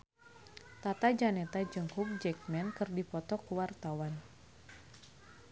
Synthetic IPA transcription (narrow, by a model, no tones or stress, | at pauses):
t̪at̪ad͡ʒanɛt̪ad͡ʒəŋhuk̚d͡ʒɛk̚mɛnkɨrdipɔt̪ɔkuwart̪awan